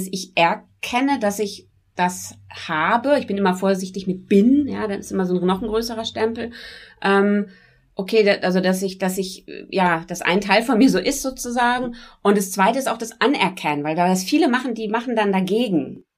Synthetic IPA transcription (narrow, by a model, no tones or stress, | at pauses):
sɪçʔɛɐkʰɛnədasɪç | d̥ashaːbəɪçb̥ɪnʔɪmɐfoːɐzɪçtɪçmɪt̚b̥ɪnjaːdanɪstʔɪmɐzoːnnɔχn̩ɡʁøːsəʁɐʃtɛmpl̩ʔɛːm | ʔokʰeːdaʔalzodasɪçd̥asɪçjaːd̥asʔa̰ɪntʰaɪlfɔnmiːɐzoːʔɪstz̥oːt͡suzaːɡŋ̩ʔʊntd̥ast͡sv̥aɪtəɪstaʊxd̥asʔanɛ̰ɐkʰɛnənvaɪldaːdasfiːləmaχn̩diːmaχn̩dandaɡeːɡŋ̩